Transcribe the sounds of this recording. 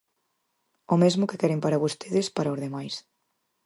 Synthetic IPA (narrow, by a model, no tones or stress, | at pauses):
omezmʊkekɛɾempaɾɐβost̪ʰeðɪspaɾɐozðemajs